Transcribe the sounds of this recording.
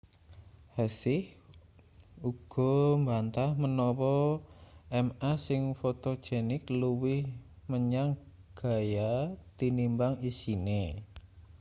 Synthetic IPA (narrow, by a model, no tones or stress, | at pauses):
hasɪh | uɡ̥ɔ̤mbant̪ahmənɔwɔ | ɛmasɪŋfot̪o̥d͡ʒ̥ɛnɪkluwɪhməɲaŋ | ɡ̥a̤jat̪inimbaŋisine